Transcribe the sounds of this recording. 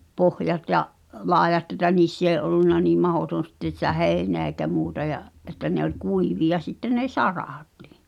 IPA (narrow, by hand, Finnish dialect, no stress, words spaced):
pohjɑt jɑʔ lɑejɑtˑ etæ niːsː eː ʔolːunːɑ niːm mɑhoˑton̞ sitːen̞ sĭtæ heˑi̞neæ eikæ muːtɑ jɑʔ ʔetːæ ne olʲ kuiʋiɑ sitːen ne sɑrɑˑti̥ˑ